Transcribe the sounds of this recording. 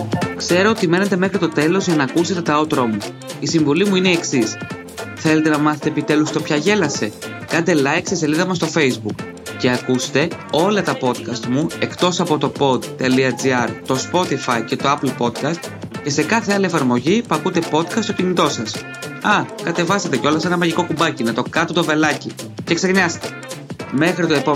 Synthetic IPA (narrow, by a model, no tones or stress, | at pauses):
kse̞ɾo̞ot̪ime̞net̪e̞me̞xɾit̪o̞t̪e̞lo̞zʝɐnɐːkuse̞t̪e̞t̪ɐo̞t̪ɾomu | isiɱvolimuine̞ːksis | θe̞le̞t̪enɐmɐθet̪epit̪e̞lust̪o̞pçɐʝe̞lɐse̞kɐnd̪e̞lɐjkseseliðɐmɐst̪o̞fe̞jzbuk | ce̞ɐkust̪e̞o̞lɐt̪ɐpo̞t̪kɐst̪mue̞kt̪o̞sɐpo̞t̪o̞po̞d̪t̪ːe̞liɐd͡ziɐɾt̪o̞spo̞t̪ifɐice̞t̪o̞ɐplpo̞d̪kɐst̪ | ce̞se̞kɐθe̞ɐlie̞fɐɾmo̞ʝipɐkut̪e̞po̞t̪kɐst̪ocinit̪o̞sɐs | ɐkɐt̪e̞vɐsɐt̪e̞ceo̞lɐse̞nɐmɐʝiko̞kumbɐcinɐt̪o̞kɐt̪ot̪o̞ve̞lɐci | cekse̞ɣɲɐst̪e̞ | me̞xɾit̪oepo